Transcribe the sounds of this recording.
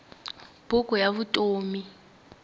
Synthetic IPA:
b̥ukujaβutʼoːmi

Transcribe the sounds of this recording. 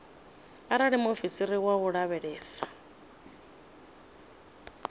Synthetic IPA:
aɾaɺimofisiɾiwaɣuɺaβɛɺɛːsḁ

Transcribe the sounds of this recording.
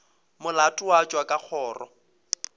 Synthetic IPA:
mʊlatʼʊwat͡ʃʼwakʼak͡xʰɔːrɔ̰

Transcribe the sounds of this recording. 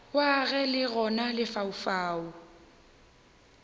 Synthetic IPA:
waɣɛlɪɣɔnalɪfaufaːu

